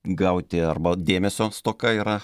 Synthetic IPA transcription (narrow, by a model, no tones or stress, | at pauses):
ɡɐʊt̪ʲɪɐrbɐd̪ʲeːmʲɛsʲoːst̪oːkɐiːɾɐ